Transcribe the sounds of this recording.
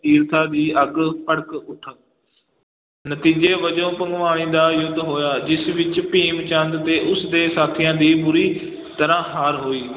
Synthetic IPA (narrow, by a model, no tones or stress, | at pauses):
t̪iːɾt̪ʰaːd̪iːəɡpəɽəkʊʈʰ | nət̪iːd͡ʒeːʋəd͡ʒõːpə̃ŋɡʋaːɽ̃ĩːd̪aːjʊd̪ːɦoːjaːd͡ʒɪsʋɪt͡ʃpiːmt͡ʃə̃nd̪t̪eːʔʊsd̪eːsaːt̪ʰɪjãːd̪iːbʊɾiː | t̪əɾãːɦaːɾɦoːiː